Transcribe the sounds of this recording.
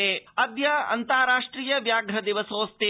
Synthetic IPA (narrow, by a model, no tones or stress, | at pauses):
eɐd̪jɐɐ̰nt̪aːɾaːʂʈɾiːjɐʋjaːɡɾɐd̪iʋɐsoːst̪eː